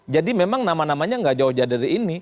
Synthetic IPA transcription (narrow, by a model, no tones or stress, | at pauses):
d͡ʒadimemaŋnamanamaɲaŋɡaʔd͡ʒaʊhd͡ʒadaɾiːni